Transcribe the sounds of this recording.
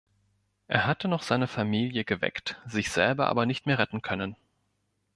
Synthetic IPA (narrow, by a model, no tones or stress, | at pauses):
ʔḛːɐɦatənɔχz̥aɪnəfamiːljəɡəvɛ̰ktz̥ɪçz̥ɛ̰lbɐʔa̰ːbɐnɪçtmeːɐʁɛtn̩kʰœnən